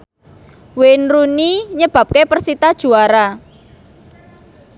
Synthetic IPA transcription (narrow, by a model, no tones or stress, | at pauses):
wenruniɲəb̥a̤p̚kepərsit̪ad̥ʒ̥ṳaɾa